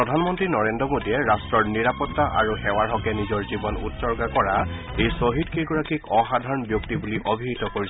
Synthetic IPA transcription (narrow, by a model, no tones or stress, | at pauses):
pɹɔdʱanmɔntɹinɔɹendɔmodiɛɹastɹɔɹniɹapɔt̪ːaʔa̰ɹuxɛwaɹɦɔkɛnizɔɹzibɔnṵtsɔɹɡakɔɹa | ejsoɦidkʰeɡɔɹakikɔxadʱaɹɔnbjuktibuliʔobʱiɦitɔkoɹis